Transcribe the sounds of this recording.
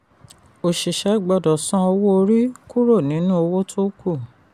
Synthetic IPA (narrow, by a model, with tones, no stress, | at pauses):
o˨ʃi˨ʃɛ˨˦˨ɡ͡bɔ˧dɔ˨sɔ̃˦ɔ˧wo˦o˧ɾi˦ku˦ɾo˦˨nĩ˨˦nũ˦o˧wo˦tʰo˦ku˦˨